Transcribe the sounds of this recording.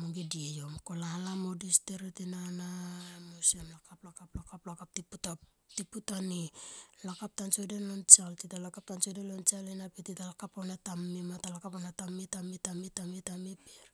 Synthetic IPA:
moŋɡidiejo̞mko̞lalamo̞disteɾetinanamosiamlakaplakaplakaplakap̚tiputa | tiputanilakap̚tant͡ʃodenlont͡ʃaltitalakap̚tant͡ʃodelont͡ʃalenapetitalakaponatamːimatalakaponatamitamitamitamitamepeɾ

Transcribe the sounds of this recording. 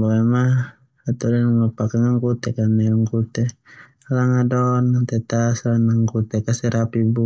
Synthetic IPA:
bɔɛma | at̪odɛnŋapakaŋaŋkut̪ɛkanɛaŋkut̪ɛ | laŋadɔnant̪ɛt̪aslanaŋkut̪ɛkasɛɾapibu

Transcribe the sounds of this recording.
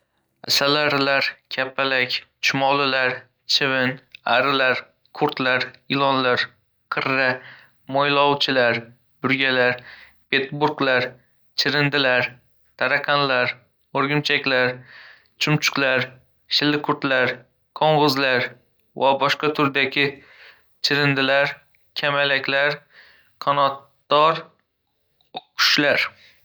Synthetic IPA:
asalaɾlaɾkʲʰapʰːalakʲt͡ʃʰʊmɒlˠɪlaɾ | t͡ʃʰɪvɪnaɾɪlaɾ | kʰʊɾt̪laɾɪlˠɒnlaɾ | qʰɨɾːa | mojlˠɒwt͡ʃʰɪlaɾ | bʊɾɡʲalaɾ | pʰet̪buɾɡlaɾ | t͡ʃʰɪɾɪnd̪ɪlaɾ | t̪ʰaɾakʰanlaɾ | oɾɡʲɪmt͡ʃʰakʲlaɾ | t͡ʃʰʊmt͡ʃʰʊ̥qlaɾ | ʃɪlːɪkʰʊɾt̪laɾ | kʰoɴʁʊzlaɾ | vabɒʃqɑt̪ʰʊɾd̪aɡʲɪ | t͡ʃʰɪɾɪnd̪ɪlaɾ | kʲʰamalakʲlaɾ | kʰɒnɒt̪ː | ɒɾ | kʰʊ̥ʃlaɾ

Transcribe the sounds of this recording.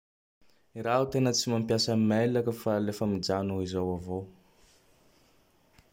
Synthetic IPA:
iɾaɦut̪enət͡simampjasəmalakəfalefəmid͡ʒanuizawavow

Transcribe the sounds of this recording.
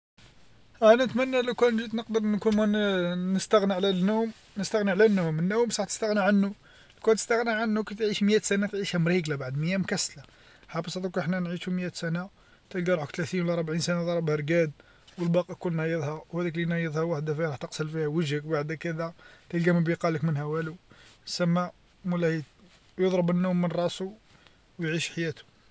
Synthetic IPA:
ʔænæət̪mænːælukænʒit̪nəqd̪əɾˤnkunmænəst̪æɣniʕlænːum | nəst̪əɣniʕlænːumənːuwmsˤɑħt̪ə̥st̪əɣniʕanːu | lkæt̪ə̥st̪əɣniʕanːukæt̪ʕiʃmjæt̪sænæt̪ʕiʃhæmɾiɡlæbaʕd̪məjːæmkæsla | ħɑbəsˤt̪ˤukəħnænʕiʃumjæt̪sæna | t̪əlɡæɾˤħəkt̪læt̪inwlæɾˤbʕinsænad̪ˤɑɾˤɑbhæɾɡæd̪ | wəlbɑqɑkunːæjəd̪ˤhæwhæd̪iklinɑjəd̪ˤhæwaħd̪afiɾˤɑħt̪əqsəlfihæwəʒhəkbaʕd̪ækæd̪æt̪əlɡæməbiqɑləkmənhæwælusæmːæ | mulæi | jod̪ˤɾəbənːumːənɾˤɑsu | wjʕiʃħjæt̪u̥

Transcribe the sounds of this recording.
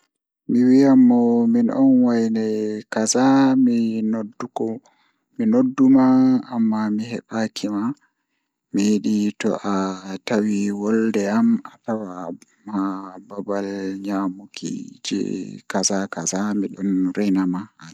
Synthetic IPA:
miwijamːɔminɔ̰nwajnɛkazaminodːukɔ | minodːumaːmːamiɦɛɓakʰima | mijiɗitɔ̰ʔatawiwɔldɛamatawa | mababalɲamukʰḭd͡ʒɛ̰kazakazamiɗɔnɾɛnamah

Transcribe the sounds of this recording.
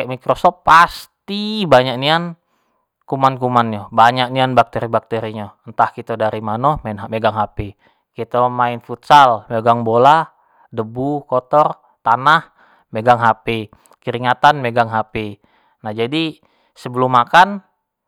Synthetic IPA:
kɛʔmikɾosɔpːast̪ibaɲak̚nian | kumankumanjobaɲak̚nianbak̚t̪eɾibak̚t̪eɾiɲɔənt̪ahkit̪odaɾimanɔmanmeɡaŋɦapi | kit̪omainfut̪salmeɡaŋbola | dəbukɔt̪ɔr | t̪anah | meɡaŋɦapi | kəɾiŋat̪anmeɡaŋɦapi | nahd͡ʒadi | səbəlumːakan

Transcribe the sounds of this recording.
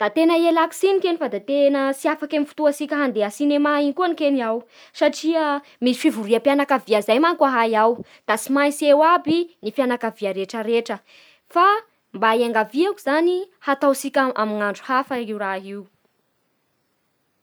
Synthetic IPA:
d̪̥at̪enəielaki̥sinikenifad̪at̪enəsiafakamifu̥t̪uasikʲəɦand̪eəsinemaiŋikuanikenaw | saʈ͡ʂiə | misfivuɾiəpjanakaviazajmaŋkaɦajaw | d̪̥asimajsewabinifjanakaviaɾeʈ͡ʂəɾeʈ͡ʂə | fa | mbaiaŋɡaviakuzani | hat̪awsikʲaamiŋaɳɖ͡ʐu̥hafəiuɾaɦiu

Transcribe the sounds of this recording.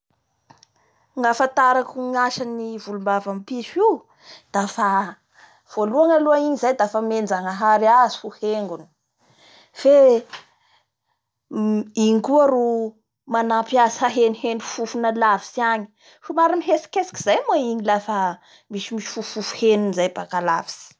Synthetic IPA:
ŋafant̪aɾakuŋaʃanivulumbavampiʃiw | d̪̥afa | v̥oluaŋaluaiɲizajd̪afəmend͡zaŋəɦaɾiazi̥huheŋɡuni̥ | fe | iŋkuaɾu | manapjasəɦenihenufufunəlavisiaɲi̥ | fumaɾiniɦesi̥kesi̥ki̥zajmaiɲilafə | misimisi̥fufufu̥henunizajbakala̰vi̥si̥

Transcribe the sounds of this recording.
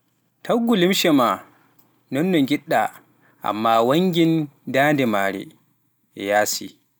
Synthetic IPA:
tʰɐɡulɪmʃɛma | nɔnːɔŋɡʲɪɗːa | ʔa̰mːaːwɐŋɡʲɪndaːndɛmaːɽɛ̰ | ʔɛ̰jaːsḭ

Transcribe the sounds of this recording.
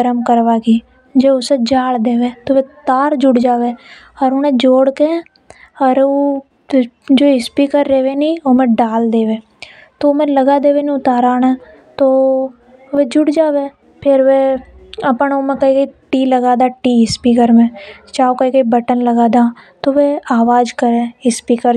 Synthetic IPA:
əɾəmkəɾʋaːɡiː | d͡ʒeːʊsed͡ʒaːld̪eːʋeːt̪oːʋeːt̪aːɾd͡ʒʊɽd͡ʒaːʋeː | ɔɾonẽːd͡ʒoːɽkẽ | ɔɾoː | d͡ʒoːɪspiːkəɾːeːʋeːniːoːmẽːɖaːld̪eːʋeː | t̪omẽːləɡaːd̪eːʋeːnĩʊt̪aːɾaːnaː | t̪oː | ʋeːd͡ʒʊɽd͡ʒaːʋeː | pʰɪɾʋeːəpəɳoːmẽkəiːɡəiːʈiːləɡaːd̪aːʈiːɦɪspiːkəɾmẽːt͡ʃaːokəiːɡəiːbəʈənləɡaːd̪aːt̪oːʋeːaːʋaːd͡ʒkəɾẽːɦɪspiːkəɾ

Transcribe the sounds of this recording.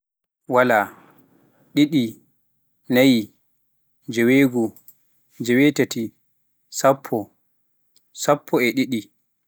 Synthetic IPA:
wala | ɗiɗi | naji | d͡ʒɛweːɡɔ | d͡ʒɛwetati | sapʰːɔ | sapʰːɔɛɗiɗi

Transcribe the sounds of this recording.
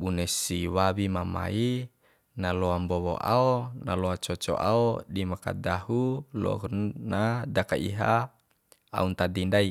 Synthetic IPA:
bunɛsiwawimama̰i | nalɔambɔwo̰ʔa̰onaloat͡ʃɔt͡ʃɔ̰ʔa̰odimaka̰dahulɔ̰ɦnadakaḭɦa | a̰unt̪adindai

